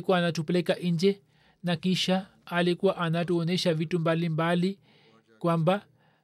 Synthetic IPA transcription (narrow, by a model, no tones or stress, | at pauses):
kuwaːnatupɛlɛkaʔind͡ʒɛ | nakiʃaː | likuwaʔanatuɔnɛʃavitumbalimbali | kwamba